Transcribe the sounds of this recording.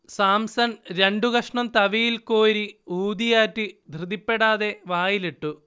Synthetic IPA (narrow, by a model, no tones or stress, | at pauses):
saːmsɐnɾe̞ɳɖuɣɐʂɳɐmt̪ɐʋijilkoːɾiuːd̪ijaːtːid̪ʱrɨd̪ipːe̞ɽaːðe̞ʋaːjiliʈːu